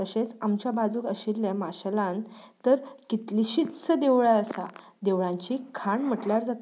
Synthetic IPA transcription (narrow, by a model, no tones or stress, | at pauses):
əɕet͡samt͡ɕjabad͡zuːkəɕilːjamaɕlãnt̪əɾkit̪liɕit̪t͡səd̪eʋɭaəsa̰ | d̪eʋɭãɲt͡ɕiːkʰaɳm̤əʈljaɾd͡zat̪